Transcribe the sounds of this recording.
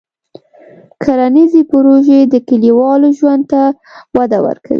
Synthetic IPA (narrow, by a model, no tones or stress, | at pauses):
kʰaɾanizepʊɾoʒed̪əkɪliwɑloʒwand̪̚t̪a | wad̪awə̰ɾkʰa̰wḭ